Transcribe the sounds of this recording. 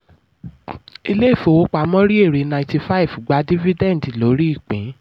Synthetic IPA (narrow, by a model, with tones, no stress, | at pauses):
i˧le˦˨fo˧˨wo˦k͡pa˨˦mɔ̃˦ɾi˦e˦˨ɾi˨˦nã˧˨ti˧fa˦i˨vɡ͡ba˨˦di˦vi˦dɛ̃˦˨n̩˨di˨lo˨˦ɾi˦i˦˨k͡pĩ˨˦